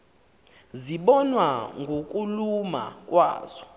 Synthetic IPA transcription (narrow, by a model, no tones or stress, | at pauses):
ziɓɔnwaŋɡʱokʼuluma̰k̬ʼwa̰ːz̥ɔ